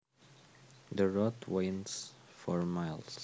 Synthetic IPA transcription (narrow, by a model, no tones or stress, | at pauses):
ðəɹɔtwẽɪ̃nsfɔ̰ɹmaɪlˠs